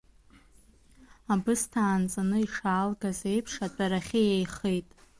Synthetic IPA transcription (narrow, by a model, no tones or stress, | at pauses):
abɨstʰaːnt͡sʼanɨiʂaːlɡazejpʰʂatʼaɾaχʲɪjejχejtʼ